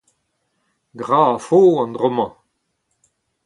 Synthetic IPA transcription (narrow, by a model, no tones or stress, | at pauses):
ɡʁaːfoːɑ̃nd̪ʁɔmɑ̃